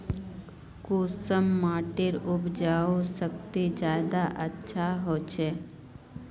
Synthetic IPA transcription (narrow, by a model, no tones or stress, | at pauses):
kuːsəmːaːʈɪɾʊbd͡ʒaːosək̚t̪id͡ʒaːd̪aʔətːʃʰaɦoːt͡ʃʰeː